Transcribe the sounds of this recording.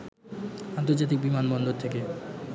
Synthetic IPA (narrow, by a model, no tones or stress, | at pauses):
ant̪̬oɾd͡ʑat̪̬ik̚bimanbɔnd̪oɾt̪ʰeke